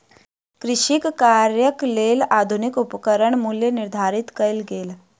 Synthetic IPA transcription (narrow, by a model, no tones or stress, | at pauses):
kɾɪʃikkaɾjəklelad̪ʱunikupkəɾəɳmuljeniɾd̪ʱaɾit̪kəjlɡeːl